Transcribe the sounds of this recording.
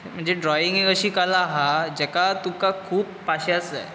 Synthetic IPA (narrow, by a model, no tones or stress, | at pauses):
m̤əɳd͡zeɖɾɔiŋekəɕiːkalaːɦad͡ʑɛkat̪ukakʰuːpːaɕasə̰